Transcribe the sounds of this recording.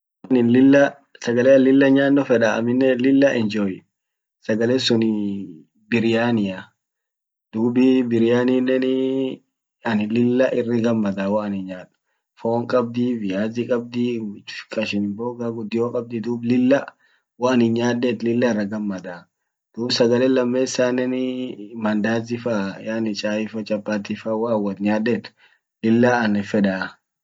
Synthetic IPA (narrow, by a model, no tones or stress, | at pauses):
nɪnlɪlːɐ | sɐɡɐlɛɐlɪlːɐɲaːnːɔfɛᶑɐɐ̰mɪnːɛlɪlːɐʔɛnd͡ʒoːjɪ | sɐɡɐlɛːsʊnɪ | bɪɾɪjaːnɪja | d̪̥uːbɪbɪɾɪjaːnɪnːɛnɪ | ɐnɪlɪlːɐʔɪrːɪɡɐmːɐd̪aːwaːnɪɲaːdʊ̥ | foːŋkʼɐb̚d̪iːfɪjaːzɪkʼɐb̚d̪i̥ːkʼɐʃɪnɪboːɡaɡʊd̪ːɪjoːkʼɐb̚d̪id̪uːblɪlːɐ | wanɪɲaːd̪ːɛt̪lɪlːɐɪrːɐɡɐmːɐd̪a | d̪̥uːbsɐɡɐlɛːlɐmːeːsanɛnɪmɐnd̪aːzɪfajaːnɪt͡ʃʼaːɪfɐt͡ʃʼɐpːaːt̪ifɐwaːwɐt̪ɲaːd̪ːɛt̪ | lɪlːaɐnɛfɛᶑaː